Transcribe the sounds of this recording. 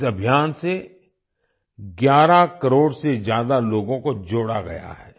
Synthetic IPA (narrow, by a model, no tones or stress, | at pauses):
ɐbʱijaːnse | ɡjaːɾakɐɾoːɽsezjaːd̪aloːɡõkod͡ʒoːɽaɡɐ̰ja̰ɦɛː